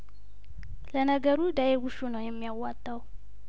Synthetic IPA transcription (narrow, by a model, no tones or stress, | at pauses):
lənaɡəɾud̪ajewuʃunawjɛmːijawːat̪ʼːaw